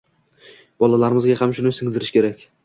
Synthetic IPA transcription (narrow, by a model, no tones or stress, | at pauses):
b̥ɒlalaɾɪmɪzɡʲahamʃʊnɪsɪŋd̪ɪɾɪʃkʲe̞ɾakʲ